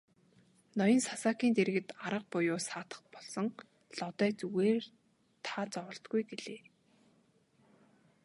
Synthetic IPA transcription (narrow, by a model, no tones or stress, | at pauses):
nɔjɞ̆nsasaːkiːnt̪eɾ̆ɣɘ̆t̪aɾə̆q̚pʊjʊːsaːt̪ə̥̆χpɔɮsɞ̆ŋ | ɮɔt̪œːt͡suɣeːr | t̪ʰaːt͡sɔwɞ̆ɬt̪̚ɡujɡeɮeː